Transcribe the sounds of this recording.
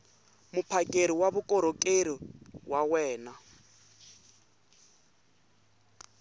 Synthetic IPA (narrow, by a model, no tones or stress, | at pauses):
mupʰakʼeɾiwaβukʼɔɾokʼeɾiwawɛːna